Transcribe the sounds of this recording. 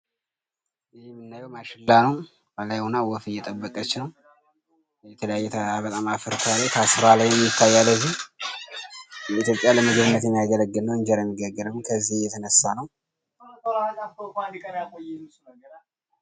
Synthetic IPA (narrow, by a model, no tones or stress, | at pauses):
mːɨnːajɛwmaʃɨlːanəw | balajwunawɔfɨjːɛt̪ʼəbːəkʼət͡ʃːɪnəw | jɛt̪ʰələjajːɛt̪ʰabət̪ʼamafɨɾt̪ʰalajt̪ʰasɨɾalajːɛmːjɪt̪ʰːajːalːəzːih | jɛit̪jo̞pʼjaləmɨɡɨβɨnːət̪jɛmːijaɡələɡːɨlnːəwɨɲd͡ʒɛɾajmːiɡəɡːəɾəmːɨnkʰəzːihjɛt̪ʰənəsːanəw | t̪olazaft̪ʰofanikʼənjakʼojɛɨsnəɡəɾa